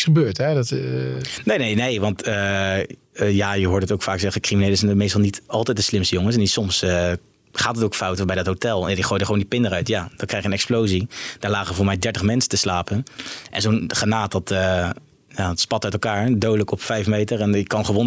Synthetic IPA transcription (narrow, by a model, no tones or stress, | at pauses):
əbøːɹtɛdt | nejnejnejʋɑntə | jajəɦʊːɹdətowkfaːksɛχəkriminejləzɛnmejstɑlˠnitɑlˠtɛjt̚dəslɪmstəjʊŋəsɛnisɔms | χaːtətowkfɑwtbɛjdɑtɦowtɛlˠjadiχoːjdəχəowndipɪndərœɥtjaːdɑtkrɛjχjənɛksplowzid̥aːɹlaːχəvʊːɹmɛjdɛɹtəχmɛnsəntəslaːpənʔɛ̰nzonχanaːt̚dɑtə | jatspɑtœɥtɛlˠkaːɹdowdələkɔpfɛjfmejtəɹɛnɪkːɑnχəʋɔn